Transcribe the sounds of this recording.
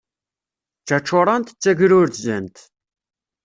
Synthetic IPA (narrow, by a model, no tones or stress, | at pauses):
t͡ʃːæt͡ʃːoɾˤɑnt̪ə̥t͡sːæʝɾʊɾt̪zænt̪